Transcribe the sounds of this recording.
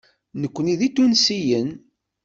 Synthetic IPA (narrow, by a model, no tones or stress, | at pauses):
nəkʷːəniðit̪ːunsijən